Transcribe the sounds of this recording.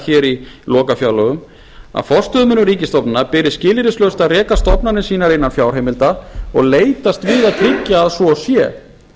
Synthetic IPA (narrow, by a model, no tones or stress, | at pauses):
çɛːɾilɔːkafjawlœɣʏm | a̰ðfɔr̥st̪œðmʏnːʏɾiːcɪst̪ɔpnɪnːapɪɾɪscɪːlɪɾɪslœwst̪aðrɛːkast̪ɔpnanɪsiːnaɾɪnːanfjaːwɾ̥ejmɪlt̪aɔɣleːjt̪ast̪vɪːðaðt̪ʰɾɪcːaːðsvɔsjɛ̰